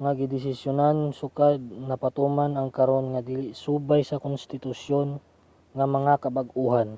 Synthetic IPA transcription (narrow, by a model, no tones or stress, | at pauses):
ŋaɡɪd̪ɪsɪsjʊnansʊkad̪̚nɐpat̪umanɐŋkɐɾonŋad̪ilɪsuːbajsɐkʊnst̪ɪt̪ʊsjon | ŋɐmɐŋakɐbaɡuhan